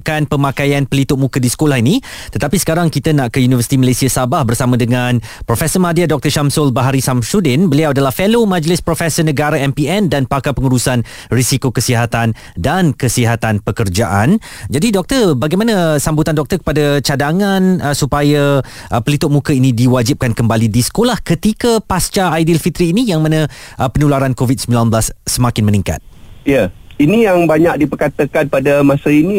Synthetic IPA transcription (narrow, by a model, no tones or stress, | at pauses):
kanpəmakajanpəlit̪ʊʔ̚mũkədisə̥kolahinĩt̪ət̪apisə̥kaɾaŋkit̪ənaʔkəjunivərsi̥t̪iməlesiasabahbərsamãdəŋan | pɾofɛsəmadiadɔk̚t̪ərʃamsʊlbaɦaɾisamsudɪnbəliawadalahfelomãd͡ʒəlɪspɾofɛsənəɡaɾaɛmpiɛndanpakapəŋuɾusan | risikokəsiɦat̪an | dankəsiɦat̪anpəkərd͡ʒaʔand͡ʒadidɔk̚t̪ərbaɡajmanasambut̪andɔk̚t̪ərkə̥padat͡ʃadaŋansupaja | ʔəpəlit̪ʊʔ̚mũkəinĩdiwad͡ʒip̚kankəmbalidisə̥kolahkət̪ikapast͡ʃaajdilfit̪ɾiːnijaŋmanãʔəpənulaɾankovid̚səmbilanbəlasːəmakɪnmənĩŋka̰t̪̚jainijaŋbaɲak̚dipərkat̪əkanpadamãsaini